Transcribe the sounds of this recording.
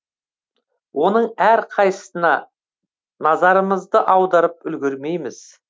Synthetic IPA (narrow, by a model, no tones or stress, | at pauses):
wʔo̞nəɴæɾqʰɑj̪ə̥sənɑ | nɑzɑɾəməzd̪əʔɑwd̪ɑɾəp̚ʏlɡʲɪɾme̞jmɪz̥